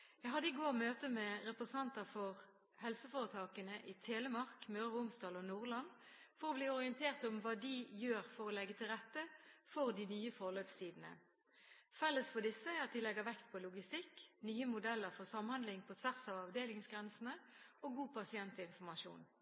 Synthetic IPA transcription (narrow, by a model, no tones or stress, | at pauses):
jæɪɦɑd̪əɪɡoːʁmøːt̪əmɛɾɛpʁɛsɑnt̪əfɔʁ | hɛlsəfoːʁət̪ʰɑːkənəʔɪt̪ʰeːləmɑʁkmøːʁəʊmst̪ɑːlɔnuːʁlɑnfɔʁɔbliːɔʁɪənt̪ʰeːʁt̪ɔmʋɑːd̪ɪjøːʁfɔʁɔlɛɡːət̪ʰɪlʁɛt̪ːəfɔʁd̪ɪnyːəfɔʁløːpst̪ʰiːd̪n̩ə̰ | fɛlːəsfɔd̪ɪsːəɑt̪̚d̪ɪlɛɡəʋɛkt̪̚pʰɔlʊɡɪst̪ɪknyːəmʊd̪ɛlːəʁfɔʁsɑmhɑnd̪lɪŋpʰɔt̪ʰʋæʁsɑːʋɑʋd̪eːlɪŋsɡʁɛnsn̩əoɡuːpʰɑsɪɛnt̪əɪnfɔʁmɑʃṵːn